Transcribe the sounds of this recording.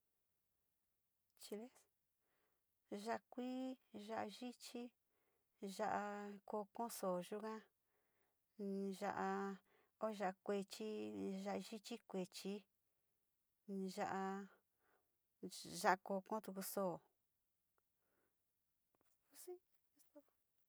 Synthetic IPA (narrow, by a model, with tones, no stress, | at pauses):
t͡ʃi˧le˦s | ʒa˧kʷiː˦ʒa˦ʔa˧ʒi˦t͡ʃi˦ | ʒa˦˧ʔa˧ko˧kõ˦soː˨ʒu˦kã˦˧ | ʒa˧ʔa˧ | o˦˧ʒa˧ʔkʷe˧t͡ʃi˦ʒa˧ʔa˧ʒi˦t͡ʃi˦kʷe˨t͡ʃi˧ | ʒa˧ʔa˧ | ʒa˦ʔkoː˧kõ˦t̪u˧ku˧soː˦˨˦ | si˦